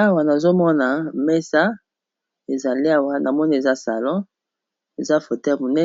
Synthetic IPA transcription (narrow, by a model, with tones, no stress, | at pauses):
a˦wa˨na˨zo˦mɔ˦na˨mɛ˦sa˦ | e˨za˨li˦a˨wa˦nʔa˨mɔ˦ni˦e˨za˦sa̰˨lɔ̃˦ | e˨za˦fo˨tɛ˦˨mo˨nɛ˦